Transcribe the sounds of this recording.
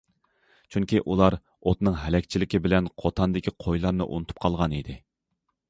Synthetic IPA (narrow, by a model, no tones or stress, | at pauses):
t͡ʃʰyŋkʲʰiʔulˠɑɾ | ot̪nɨŋɦɛlɛkʲt͡ʃʰilɪkʲʰɪbɪlɛnqʰot̪ʰɑnd̪ɪkʲʰiqʰojlˠɑɾnɨ̰ʔṵnɨt̪ʰu̥p̚qʰɑlˠʁɑnid̪ɪ